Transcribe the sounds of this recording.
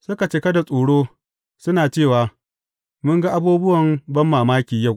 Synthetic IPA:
sʊ˦ka˨t͡ʃe˦kɐ˦da˨sʼoː˨ɽoː˦ | sʊ˦naː˨t͡ʃeː˦˨waː˨ | mʊ˦ŋɡa˦ʔa˦buː˦bʊ˦wɐ˨mbɐ˦mːaː˨maː˦kʲiː˨ja˦˨

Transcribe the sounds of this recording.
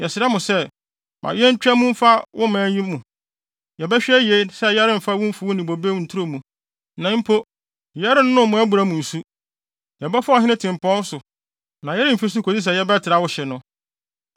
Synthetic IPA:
jɛ˨sɪ˨ɛ˦mʊ̃˨sɛ˦ | mʔã̰˨jɛ˦ɲ̩˦t͡ɕᶣɛ˦mũ˦m̩˦fa˦wʔʊ̰˦mãː˨˦ĩ˦mũ˨ | jɛ˨bɛ˦ɕᶣɛ˦je˨˦sɛ˦jɛ˦ɾɪ̃˦m̩˨fa˦wʊ̃˦m̩˦fu˨˦wʊ˦nĩ˨bo˨be˦n̩˨tʰu˦ɾo˦˨mũ˨ | nã˨˦m̩˦pʰo˦ | jɛ˦ɾɪ˦n˦nʊ̃˦mʊ̃˨˦æ˦bu˨ɾa˦mũ˨n̩˨su˦ | jɛ˨bɛ˦fʊ˦a˨ɦɪ̃˦nɪ̃˦tʰɪ̃˨m˨pɔ̃˦n̩˦sʊ˨ | nã˨jɛ˦ɾɪ˦m̩˨fi˦s̬ʊ˦kʰo˨di˦s̬ɛ˨jɛ˦bɛ˦tʰɪ˨ɾa˨wʊ˦ɕɛ˨nʊ̃˦

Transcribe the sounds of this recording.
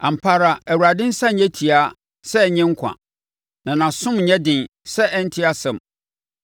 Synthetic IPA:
ã˨m̩˨pʰa˦ɾa˨æ˨wu˨ɾa˨dɪ̃˦n̩˦sã˦˨ɲɛ̃˦tʰi˨a˦ | sɛ˦˨ɲɪ̃˦ŋ̩˦kʷʰã̰˨ | nã˨nã˨sʊ̃˦mɲɛ̃˦dɪ̃˨n | sɛ˦ʔɛ˦n̩˦tʰɪ˦a˨sɛ̃˨m

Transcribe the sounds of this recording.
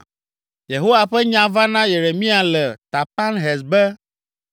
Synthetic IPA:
je˨ɦo˦wa˨ɸɛ˦ɲã˨va˦nã˦je˨ɾe˨mĩ˦a˨lɛ˨t̪a˨pa˦nɦɛ˨sbɛ˦

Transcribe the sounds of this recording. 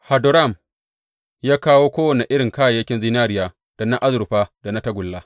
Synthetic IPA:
ha˨dʊ˨ɾa˦˨m | jaː˦kaː˦woː˦kʷoː˦wɐ˨ne˨ʔɪ˦ɽɪ˨ŋkaː˦˨jɐ˦kʲɪ˦nzi˦naː˦ɾɪ˦jaː˨ | d̥a˨na˦ʔa˦zʊ˨ɾʊ˨ɸaː˦da˨na˦tɐ˦ɡʷʊ˨lːaː˦

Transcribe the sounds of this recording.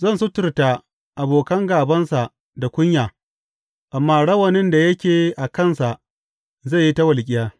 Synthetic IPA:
zɐ˦nsʊ˦tʊ˨rta˨ | ʔa˨boː˨kɐ˦ŋɡaː˨bɐ˦nsa˨ʔ | da˨kʷʊ˦ɲjaː˨ | ʔa˨mːaː˦ɽɐ˦wɐ˨nɪ˦nda˨jɐ˦kʲeː˨ʔa˨kɐ˦˨nsa˨ʔ | zɐ˦˨ji˦tɐ˦wɐ˨lkʲʼɪ˦jaː˦

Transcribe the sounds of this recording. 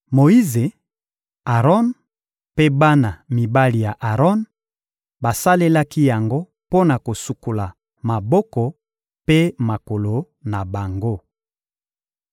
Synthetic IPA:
mo˨i˦ze˨ | a˨ʁɔ˦n | pe˦ba˦na˨mi˨ba˦li˨ja˨ʔa˨ʁɔ˦n | ba˨sa˦le˦la˦ki˦ja˨ŋɡo˦ | po˦na˨ko˨su˨ku˨la˨ | ma˨bɔ˦kɔ˨ | pe˦ma˨ko˨lo˨ | na˨ba˨ŋɡo˦

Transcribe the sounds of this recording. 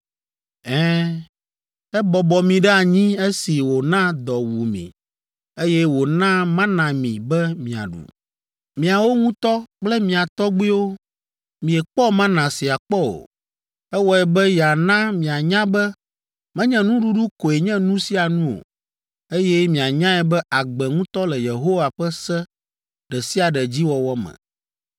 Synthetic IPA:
ɛ̃˦ | ɛ˦bɔ˨bɔ˨mĩ˨ɖɛ˦a˨ɲĩ˦e˦si˨wo˨nã˦d̪ɔ˨wu˨mḭ̃˨ | e˦jɛ˦wo˨nã˦mã˦nã˨mḭ̃˨bɛ˦mĩ˨a̰˨ɖṵ˨ | mĩ˨a˨wo˦ŋũ˦t̪ɔ˦k͡plɛ˦mĩ˨a˨t̪ɔ˦ɡ͡bi˦wo˦ | mĩ˨ɛ˨k͡pɔ˦mã˦nã˨si˨a˨k͡pɔ˦o̰˨ | ɛ˦wɔ˦ɛ˨bɛ˦ja˨nã˦mĩ˨a˨ɲã˦bɛ˦ | mɛ̃˦ɲɛ̃˦nũ˦ɖu˦ɖu˦ko˨e˨ɲɛ̃˦nũ˦si˦a˨nũ˦o̰˨ | e˦jɛ˦mĩ˨a˨ɲã˦ɛ˨bɛ˦ʔa˨ɡ͡bɛ˨ŋũ˦t̪ɔ˦lɛ˨je˨ɦo˦wa˨ɸɛ˦sɛ˦ | ɖɛ˨si˦a˨ɖɛ˨d͡ʑi˦wɔ˨wɔ˦mɛ̰̃˨

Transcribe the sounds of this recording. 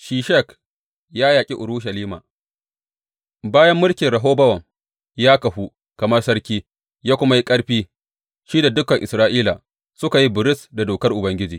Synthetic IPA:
ʃiː˨ʃɛ˦˨k | jaː˦jaː˨kʲʼi˦ʔʊ˨ɾu˦ʃ̬ɐ˨liː˦ma̰˨ | baː˦jɐ˦mːʊ˦lkʲɪ˨nɾɐ˨ɦoː˦bɐ˦wɐ˨ŋ | jaː˦kɐ˨ɸu˦ | kɐ˨mɐ˦rsɐ˦ɽkʲiː˦ | jaː˦kʷʊ˦ma˦ji˦kʼɐ˦ɽɸiː˦ | ʃiː˦da˨dʊ˦kɐ˨ŋʔɪ˨sɾaː˦ʔiː˦laː˨ | sʊ˦ka˨ji˦bɪ˨ɾɪ˦sda˨doː˨kɐ˦rʔʊ˨bɐ˦ŋɡʲɪ˦d͡ʒiː˨

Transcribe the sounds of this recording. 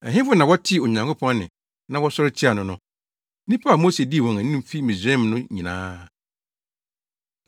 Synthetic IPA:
ɛ̃˨ɦɪ̃˦fʊ˦nã˨wɔ˦tʰɪ˦˨o˨ɲã˨ŋkʰʊ˦pʰɔ̃˦nnɪ̰̃˨ | nã˦wɔ˦sɔ˦ɾɪ˦t͡ɕʰi˦a˨nʊ̃˨nʊ̃˦ | nĩ˦pʰa˦a˨moː˦se˨di˦˨wɔ̃˨ŋæ̃˨ñ˦ũ˦m˦fi˦mĩ˨zɾɛ̃˦mnʊ̃˦ɲĩ˨nã̰ː˦

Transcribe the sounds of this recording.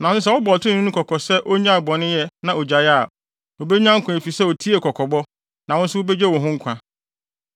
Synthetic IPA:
nã˨˦ʊ̃˦s̬ɛ˦wɔ˦bɔ˨ltʰɪ̃˦ʊ̃˦kʰɔ˨kʰɔ˨sɛ˦ʔo˦ɲã˦˨bɔ˨nɪ̃˦jɛ˦nã˨o˨d͡ʑa˨ja˦˨ | o˨be˦ɲᶣ˦ã˦ŋ̩˦kʰʊ̃˨e˨fi˨sɛ˦wo˨tʰi˦e˨kʰɔ˨kʰɔ˨bɔ˦ | nã˨wɔ̃˦n̩˦sʊ˦wo˦be˦d͡ʑe˦wɔ̃˨ɦʊ̃˦ŋ̩˦kʰʷã˨

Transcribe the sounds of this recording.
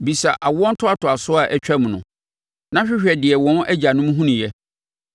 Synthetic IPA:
bi˨sa˨ʔa˨wɔ̃˦n̩˦tʰʊ˦a˨tʰʊ˨a˨sʊ˦a˨ʔæ˦t͡ɕᶣæ˦m̃˨nʊ̰̃˨ | nã˦ɕᶣɪ˦ɕᶣɛ˨dɪ˨ɛ˨wɔ̃˦n˦ʔæ˦d͡ʑa˨nʊ̃˦m̃˦ɦũ˦nʊ̃˨jɛ˦

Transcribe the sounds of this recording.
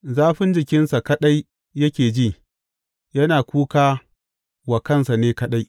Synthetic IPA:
zaː˦ɸɪ˦nd͡ʒɪ˨kʲɪ˦nsa˨kɐ˦ɗa˦jː | ɐ˦kʲeː˨d͡ʒiː˦˨ | jɐ˦naː˨kʷuː˦kaː˦ | wa˨kɐ˦nsa˨neː˦kɐ˦ɗa˦j

